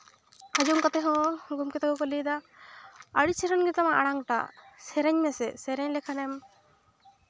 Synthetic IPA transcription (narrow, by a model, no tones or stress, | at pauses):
ad͡ʒɔmkat̪ɛɦɔ̃ɡumkɛt̪aɡɔkɔlid̪a | əɽit͡ʃʰɛɾanɡɛt̪amaʔaɽ̃aŋʈa̰sɛɾɛɲmɛsɛsɛɾɛɲlɛkʰanɛm